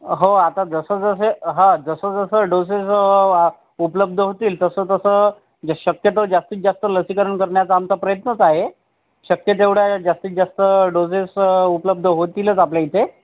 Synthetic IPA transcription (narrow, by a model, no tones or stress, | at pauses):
ɦoat̪ad͡zəsəd͡zəs̬eɦãd͡zəsəd͡zəsəɖoses | upləb̚d̪ʱəɦot̪iːlt̪əsəːt̪əsəː | ɕəkjət̪od͡zast̪iːt͡s̚d͡zast̪ələsikəɾəɳkəɾɳjat͡saamt͡sapɾəjət̪nət͡saɦe | ɕəkjət̪̬eʋɽad͡zast̪iːt̪̚d͡zast̪əɖod͡zesupləb̚d̪ʱəɦot̪iːlət͡sapljaɦit̪e